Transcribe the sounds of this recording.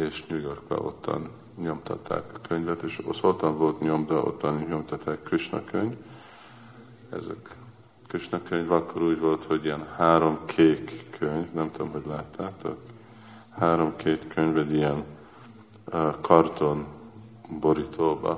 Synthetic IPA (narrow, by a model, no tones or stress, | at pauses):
eːʃmyjorkbɛ̰ʔo̞̰t̪ːɒ̰n | ɲo̞mt̪ʰɒ̰t̪ʰːa̰ːkːøɲvɛt̪eːʃosot̪ːɒɱvo̞lt̪ɲo̞md̪ɛʔo̰t̪ːɒnɲo̞mt̪ɒt̪ːaːkːryt͡ʃnɒ̰køɲv | ɛ̰zɛ̰k | kyt͡ʃnɒkøɲvɒkʰːoɾuːɟvo̞lt̪ho̞ɟiɛnhaːɾo̞mkʰeːkʰːøɲvnɛmt̪ud̪o̰mɦoɟlaːt̪ʰːaːt̪o̰k | haːɾo̞mkʰeːt̪køɲvɛd̪ijɛn | kʰɒrt̪o̞n | bo̞ɾit̪ʰoːbɒ̰